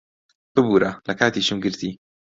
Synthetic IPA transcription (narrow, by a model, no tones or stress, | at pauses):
bɨbuːɾɐlɐkaːt̪iːt͡ʃɨmɡɨɾt̪ʰi